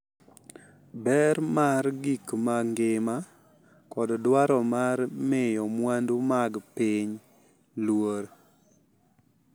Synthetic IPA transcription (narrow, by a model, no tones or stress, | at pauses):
bɛɾmaɾɡikmaŋɡɪma | kɔddwaɾɔmaɾmɪjɔmwandumaɡpiɲ | lwoɾ